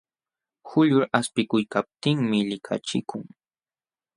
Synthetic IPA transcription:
xʊʎʊɾaspɪkʊjkap̚t̪ɪŋmɪʎɪkʰa̰t͡ʃɪkʊŋ

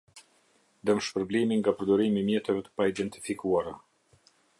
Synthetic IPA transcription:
d̪əmʃpəɾblimiŋɡapəɾd̪ɔɾimimjɛt̪ɛvɛt̪ə̥paid̪ɛnt̪i̥fikuaɾa

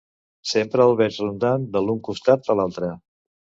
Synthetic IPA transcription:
sempɾəːlˠβɛɾzrund̪and̪əlˠuŋkust̪at̪̚əlalˠt̪ɾə

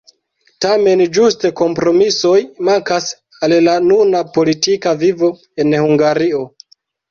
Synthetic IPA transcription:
tame̞nd͡ʒuste̞ko̞mpɾo̞miso̞jmaŋkas | allanunapo̞litikavivo̞ | e̞nhuŋɡaɾio̞

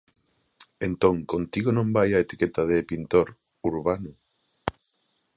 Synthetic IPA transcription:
ent̪õŋkont̪iɣonõmbajɐet̪i̥ket̪ɐðepint̪oɾ | uɾβanʊ

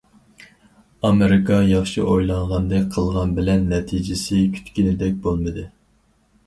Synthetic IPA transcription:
ɑmeɾɪkʰɑjɑχʃḭʔojlˠɑɴʁɑnd̪ɨqʰəlˠʁɑnbɪlɛnːɛt̪ʰid͡ʒɪsɪkʲʰy̥t̪kʲinɪd̪ɛk̚ʲbolˠmɨd̪ɨ

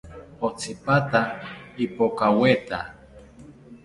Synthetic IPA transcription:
ot͡sʰipat̪aipokawet̪a

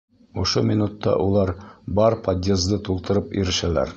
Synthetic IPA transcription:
ŏʃomʲinut̪ːɑ̰ʔulˠɑɾbɑɾpɐd̪ʲezd̪ɤt̪ulˠt̪ɤ̆ɾɤpḭɾɘ̆ʃælæ̰ɾ

